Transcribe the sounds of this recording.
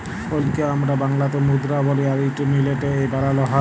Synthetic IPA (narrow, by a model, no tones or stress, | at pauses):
polkeamɾabaŋlat̪omud̪ɾabɔliaɾiʈunileʈeejbaɾalɔɦa